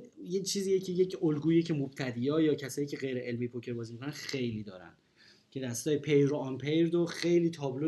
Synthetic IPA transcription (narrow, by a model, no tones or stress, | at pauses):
jet͡ʃʰiːziːjecʰejecʰolɡuːjecʰe̞mob̥̚t̪ʰæd̪iːjɒːjɒːcʰæsɒːjiːcʲʰe̞ɣejɾeʔelmejpʰocʰe̞ɾbɒːzimikʰonænxe̞jliːd̪ɒ̰ːɾæ̰nd̪ | cʰe̞d̪æst̪ɒːjepʰejɾoɒnpʰejɾd̪oxe̞jliːt̪ʰɒːblo